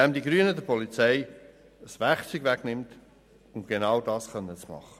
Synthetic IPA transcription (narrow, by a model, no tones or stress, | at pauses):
ɛmdiɡɾyːənədəpʰɔlit͡sɛɪ | əsʋæχt͡syɡʋɛɡnɪmt | ʊmɡ̥enɑwdɑːsχœnːət͡smɑ̰χə